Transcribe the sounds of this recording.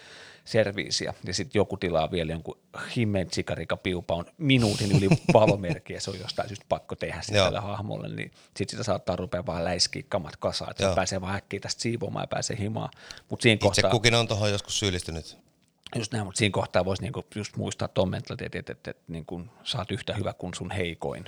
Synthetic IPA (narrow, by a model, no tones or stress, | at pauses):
serʋḭːsiɑ̰jɑsit̪jokut̪ilɑ̰ʋieljoŋku | himːent̪sikɑrikɑpiupɑonminuːt̪inyliʋɑlomerkiæseo̰jost̪ɑisjust̪̚pɑkːot̪ehæssiæ̰lːḛhɑhmo̰lːḛnnḭ | sit̪sit̪æsɑːt̪ːɑːrupeːʋɑːlæiskḭːkːɑmɑt̪kɑsɑ̰ːḛt̪sepæːseːʋɑːhækːeit̪æst̪siːʋomɑ̰ːjɑpæ̰ːsḛːhimɑ̰ːmut̪siːŋkohset̪ɑːkukinont̪ohojoskussyːlːist̪ynyt̪ | just̪næimut̪siːŋkoht̪ɑːʋoisniːŋkujust̪mṵist̪ɑ̰ːt̪t̪omːḛnt̪lɑt̪ḛt̪et̪et̪ːet̪niːŋkunsɑːt̪yht̪æhyʋækunsunheiko̰in